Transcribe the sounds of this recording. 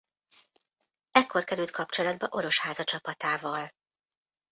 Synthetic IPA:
ɛkːo̞rkɛɾylt̪̚kʰɒp̚t͡ʃo̞lɒd̪̚bɒʔo̞ɾo̞ʃhaːzɒt͡ʃɒpɒt̪aːvɒl

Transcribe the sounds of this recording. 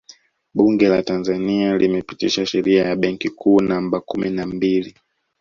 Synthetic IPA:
ɓuŋɡɛlatanzanialimɛpitiʃaʃɛɾiajaɓɛŋkikʰuːnambakuminambili

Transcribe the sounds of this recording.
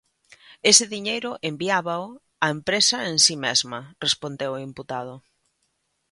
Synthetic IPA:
esɪðiɲejɾʊʔembiaβaʊ | ɐempɾesɐensimezmɐrespond̪ewʊimput̪að̞ʊ

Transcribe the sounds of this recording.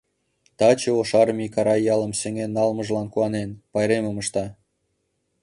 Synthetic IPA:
t̪ɑt͡ɕĕoʃɑrmʲikɑɾɑjɑlˠə̆msĕŋenːɑlˠmɤ̆ʒlɑnkuɑnenpɑjɾemə̆mɤ̆ʃt̪ɑ

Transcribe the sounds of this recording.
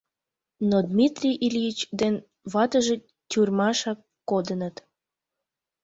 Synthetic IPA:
nod̪mit̪rʲijʔilʲiit͡ɕd̪en | βɑt̪əʒe | tʲyrmɑʃɑkːod̪ənət̪

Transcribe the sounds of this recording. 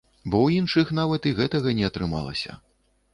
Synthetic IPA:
bɔwinʂɨxnavɐt̪iɣɛt̪ɐɣɐnʲɛɐt̪ɾɨma̰lˠɐ̰sʲɐ̰

